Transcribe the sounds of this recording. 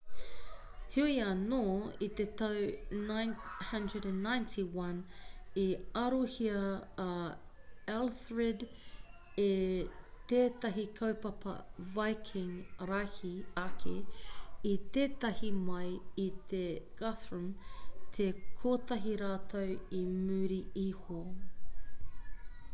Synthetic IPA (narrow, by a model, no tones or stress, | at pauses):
hiiɐnoːit̪et̪ɐwnajnhɐ̃ndɹədæ̃nːãjntʰiwɐ̃niɐɾohiɐ | ɛlθɹed | et̪eːt̪ɐɦikʰɐwpɐpɐ̰vajkʰɪ̃ŋɾahiɐkʰe | it̪eːt̪ɐhimɐjit̪ʰeɡ̥aθɹumt̪ʰekʰoːt̪ɐɦiɾaːt̪ʰowimʉːɾiiho